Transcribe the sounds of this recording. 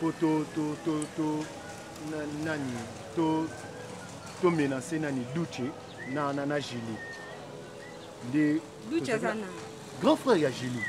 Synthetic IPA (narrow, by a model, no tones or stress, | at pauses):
pototototo | nanani | to | tomenãsenanidut͡ʃe | nananaʒili | nde | dut͡ʃzana | ɡʁɔ̃fʁɛaʒili